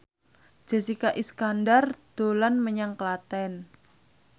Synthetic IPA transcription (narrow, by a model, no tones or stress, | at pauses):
d͡ʒ̥a̤sikaʔiskandard̪̥o̤lanməɲaŋklat̪ɛn